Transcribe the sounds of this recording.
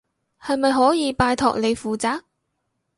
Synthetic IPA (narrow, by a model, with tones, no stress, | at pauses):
hɐ˨jmɐ˨jɦɔː˨˥jiː˨˧paː˧jt̪ʰɔ̰ː˨k̚le˨˧jfuː˨t͡saː˧˥k̚